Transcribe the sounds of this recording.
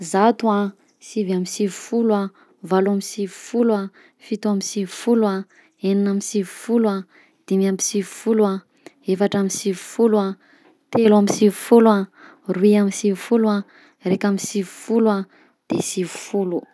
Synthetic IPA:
zat̪ua | sivamisivufulua | valamisivu̥fulua | fit̪uamisivifulwa | eninamisivi̥fula | d̪̥imamisivi̥fulua | efaʈ͡ʂamisivi̥fulua | t̪eluamisivifulua | ruiamisivifulua | rekamisivi̥fulua | d̪̥esivi̥fulu

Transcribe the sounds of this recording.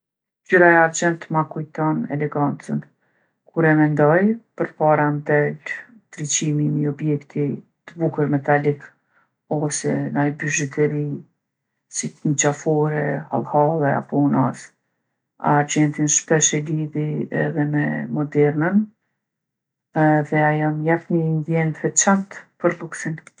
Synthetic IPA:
d͡ʑyɾaɛaɾd͡ʑɛnt̪makujt̪ɔnɛ̰lɛɡant͡sən | kʰuɾɛmɛnd̪ɔjpəɾpaɾand̪ɛl | t̪ɾit͡ɕimimiɔbjɛkt̪ʰit̪əbukəɾmɛt̪alik | ɔsɛnajbyʒɛt̪ɛɾi | sit̪nit͡ɕafɔɾɛha̰lˠhalˠɛa̰pɔnas | a̰ɾd͡ʑɛnt̪inʃpɛʃɛliðiɛ̰ðɛmɛmɔd̪ɛɾnən | ɛðɛajamjafnind̪jɛnt̪hɛt͡ʃant̪pəɾlˠuksin

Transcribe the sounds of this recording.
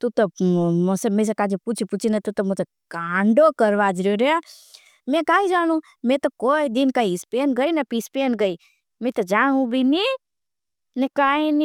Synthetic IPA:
t̪ut̪omosemẽs̬ekaːd͡ʒeput͡ʃʰiput͡ʃʰinat̪ut̪omose | kaːɳɖokəɾʋad͡ʒɾoɾea | mẽkaːɦid͡ʒaːnũ | mẽt̪okoːid̪ɪnkaiɪspeːnɡəinɐpispenɡəi | mẽt̪ɐd͡ʒaːɦũbʱini | nikaːini

